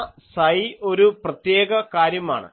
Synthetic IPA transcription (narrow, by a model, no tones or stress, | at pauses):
sɐjo̞ɾuprɐt̪je̞ːɡɐkaːɾjɐma̰ːɳɨ̰